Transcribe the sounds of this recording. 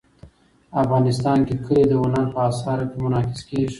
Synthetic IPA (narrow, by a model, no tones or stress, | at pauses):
afɣɑnɪst̪ɑnkekəled̪əwʊnaɾpəɑsɑɾakemʊnɑkɪ̥skeʒ